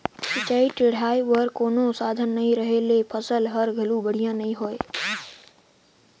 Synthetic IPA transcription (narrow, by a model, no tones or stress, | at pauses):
sət͡ʃaːiʈɪɽ̤aːiʋəɾkoːnosaːd̪ʱənːɐɦĩɾəɦelepʰəsəlɦəɾɡʱəlubəɽ̤ijãnɐɦĩɦoːe